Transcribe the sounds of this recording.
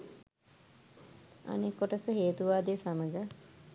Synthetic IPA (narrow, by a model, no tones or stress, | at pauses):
a̰nekːoʈəsəɦeːt̪uʋaːd̪esaməɡə